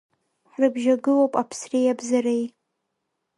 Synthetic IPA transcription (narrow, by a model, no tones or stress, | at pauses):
ħrɨbʒaɡɨlowpʼapʰsrejabzarej